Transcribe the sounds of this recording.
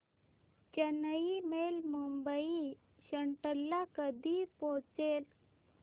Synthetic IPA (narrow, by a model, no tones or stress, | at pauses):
t͡ɕənəimelmumbəi | ɕəɳʈəlːakəd̪ʱipot͡sel